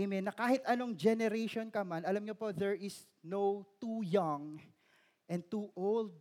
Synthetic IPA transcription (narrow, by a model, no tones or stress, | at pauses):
minːɐkaːhɪt̪ɐnoŋd͡ʒɛnɛɾejʃonkɐmanɐlamɲopoðɛɹʔɪs | nowt̪ujɐŋ | ʔɛ̃n̚t̪uʔold̪̚